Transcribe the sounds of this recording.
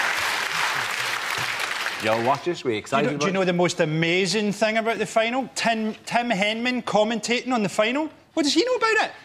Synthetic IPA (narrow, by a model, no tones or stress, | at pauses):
jɛlˠwɔt͡ʃɪsɹiksaənoðəmostəmezɪ̃ŋθɪ̃ŋəbaʊʔðəfãɪ̃nəl̩ˠtʰɪ̃mtʰɪ̃mɦɛ̃nmə̃nkʰɔmɛ̃ntʰeʔɪ̃ŋə̃nðəfãɪ̃nəlˠ | wɔʔ̚d̥ʌz̥inoəbaʊʔɪʔ